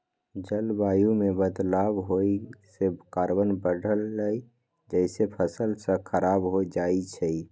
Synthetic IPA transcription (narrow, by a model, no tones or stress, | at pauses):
d͡ʒəlbajumebəd̪labɦosekaɾbənbəɖʱəlːəi | d͡ʒəɪsepʰəsəlsə̃kʰəɾabɦod͡ʒait͡ʃʰəi